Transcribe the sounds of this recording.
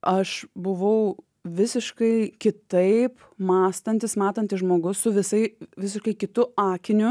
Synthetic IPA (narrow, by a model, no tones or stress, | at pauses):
ɐʃbʊʋɐʊ | ʋʲɪsʲɪʃkɐɪkʲɪt̪ɐɪp | mɑːst̪ɐnʲt̪ʲɪsmɑːt̪ɐnʲt̪ʲɪsʒmoːɡʊssʊʋʲɪsɐɪʋʲɪsʲɪʃkɐɪkʲɪt̪ʊɑːkʲɪnʲʊ